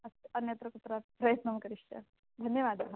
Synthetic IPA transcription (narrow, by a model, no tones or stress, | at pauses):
ɐsɐnjɐt̪ɾɐkut̪ɾapɾɐjət̪nɐmkɐɾiʂt͡ʃɐ̰ | d̪ʱɐnjɐʋad̪ʱjɐɦ